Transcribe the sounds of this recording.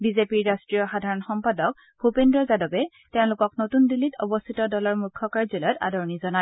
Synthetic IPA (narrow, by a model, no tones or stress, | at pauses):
bizepiɹːastɹijɔxadʱaɹɔnxɔmpadɔk̚ | b̥ʱupendɹɔzadɔbɛ | teʊ̃lʊkɔknotundilitʰɔ̰bɔst̪ʰitɔdɔlɔɹmukʰːɔkaɹzɔlɔta̰dɔɹɔnizɔna